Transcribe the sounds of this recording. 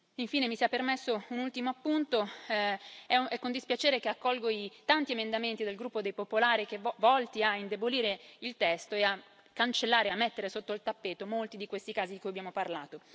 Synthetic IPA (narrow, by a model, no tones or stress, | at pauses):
iɱfiːnemisiapːermesːounult̪imoapːunt̪o | ɛɛkːond̪ispjat͡ʃeːɾekeakːɔlɡoit̪ant̪iemend̪ament̪id̪elɡɾupːod̪ejpopolaːɾikevɔlt̪iaind̪eboliːɾeilt̪ɛst̪oea | kːant͡ʃelːaːɾeamːet̪ːeɾesot̪ːoilt̪apːeːt̪omolt̪id̪ikwest̪ikaːzid̪ikujabjamoparlaːt̪o